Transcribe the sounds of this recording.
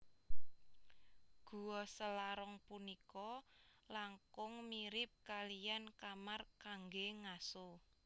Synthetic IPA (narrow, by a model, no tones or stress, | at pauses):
ɡ̥ṳwɔsəlaɾɔŋpunikɔlaŋkʊŋmiɾɪp̚kalijankamarkaŋɡeŋaso